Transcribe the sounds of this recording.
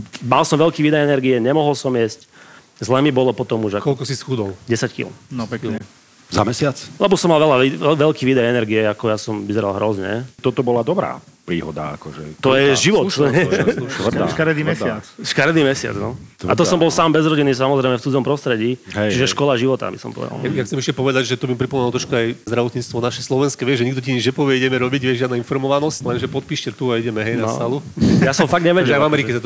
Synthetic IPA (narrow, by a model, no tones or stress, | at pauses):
malsɔmʋɛlkiːʋiːd̪ajɛnɛɾɡiɛɲɛmɔɦɔlsɔmjɛsc | zlɛmibɔlɔpɔt̪ɔmuʒakɔlkɔsisxud̪ɔlɟɛsackḭlnɔpɛkɲɛ | za̰mɛsɪat͡slɛbɔsɔmːalʋɛlaiʋɛʎkiːʋiːd̪ajɛnɛɾɡiɛakɔjasɔmʋizɛɾalˠɦɾɔzɲɛ̰t̪ɔt̪ɔbɔlad̪ɔbɾa̰ː | pɾiːɦɔd̪a̰a̰kɔʒɛ̰t̪ɔjɛʒiʋɔt̪ɛt̪ʋr̩d̪aʃkaɾd̪imɛsɪat͡sʃkaɾd̪iːmɛsɪa̰d͡znɔ̰t̪a̰t̪ɔsɔmbɔlˠsaːmbɛzɾɔɟinːiːsamɔzɾɛjmɛft͡sud͡zɔmpɾɔst̪ɾɛɟiːɦɛjt͡ʃiʒɛʃkɔlaʒiʋɔt̪a̰bisɔ̰mpɔ̰ʋɛ̰d̪la̰ajaxt͡sɛmɛʃcɛpɔʋɛd̪aɟʒɛt̪ɔbimpɾipɔmɛnlɔt̪ɾɔʃkuajzd̪ɾaʋɔt̪ɲiːt͡st̪ʋɔnaʃɛslɔʋɛnskɛʋɪɛʒɛɲiɡd̪ɔciɲid͡ʒɲɛpɔʋɪɛiɟɛmɛɾɔbiɟʋɪɛʒɪad̪nainfɔɾmɔʋanɔsclɛnʒɛpɔt̪̚piːʃcɛt̪uaiɟɛmɛɦɛjna̰salujasɔ̃mfaɡɲɛʋɛɛɛajvamɛɾikɛsat̪